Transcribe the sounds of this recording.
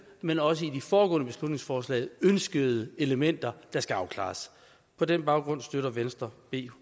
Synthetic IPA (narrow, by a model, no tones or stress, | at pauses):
menɒ̽səidifɒːɡ̥ɔ̰ːnəb̥e̝slud̥ne̝ŋsfɒːslɛ̰ɪønsɡ̥əð̩ˠəe̝ləmen̰d̥ɐd̥ɑ̈sɡ̥æɑ̈ʊkʰlɑ̰̈ːs | pʰɒ̽denb̥ɑ̈ʊɡ̥ʁɔ̽n̰sd̥øɾɐʋensd̥ʁɐb̥e̝̰ː